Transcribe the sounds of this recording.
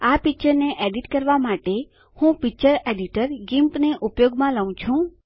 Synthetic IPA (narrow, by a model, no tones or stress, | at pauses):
apik̚t͡ʃəɾneʔeɖiʈkəɾʋamaʈe | hũpik̚t͡ʃəɾeɖiʈəɾɡimpneʔupjoɡmãləʋũt͡ʃʰũ